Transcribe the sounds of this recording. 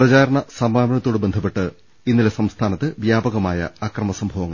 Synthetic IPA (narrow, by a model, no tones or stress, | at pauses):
prɐt͡ɕaːɾɐɳɐsɐmaːbɐɳɐt̪ːoːɽebed̪ʰʱɐpːe̞ʈːɨ | inːilesɐmst̪ʰaːnɐt̪ːɨʋjaːbɐɣɐmaːjɐ̰akrɐmɐsɐmbʱɐʋɐŋːɐ̰